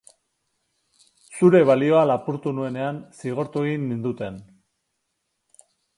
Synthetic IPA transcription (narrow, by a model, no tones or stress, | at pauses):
suɾe̞β̞alio̞alapuɾt̪unue̞ne̞ansiɣ̞o̞ɾt̪ueɣinːind̪ut̪e̞n